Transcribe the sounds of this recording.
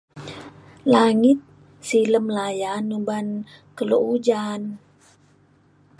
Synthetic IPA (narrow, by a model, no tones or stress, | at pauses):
laŋit̪̚ | siləmlajanubankəloʔud͡ʒan